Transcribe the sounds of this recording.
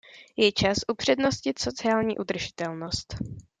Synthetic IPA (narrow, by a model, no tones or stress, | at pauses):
jɛt͡ʃasʔupr̝̥ɛdno̞scɪt̪so̞t͡sɪaːlɲiːʔud̪r̩ʒɪt̪ɛlno̞st̪